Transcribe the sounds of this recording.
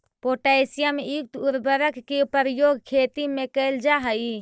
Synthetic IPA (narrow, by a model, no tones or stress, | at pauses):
poːʈajsijameik̚t̪uɾbəɾəkkipəɾjoːɡkʰeːt̪imẽkəɪld͡ʒaɦəi